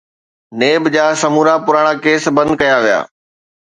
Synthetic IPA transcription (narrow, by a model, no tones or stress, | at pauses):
neːbd͡ʑaːsɐmuːɾapʊɾaːɽ̃akeːsbɐ̃nd̪kɐjaʋija̰ː